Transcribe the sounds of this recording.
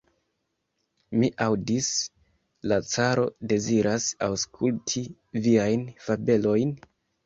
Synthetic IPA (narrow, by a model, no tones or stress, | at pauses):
miʔawdis | lat͡saɾo̞̰de̞ziɾʔasawskʰultʰi | viajnfabe̞lo̞jn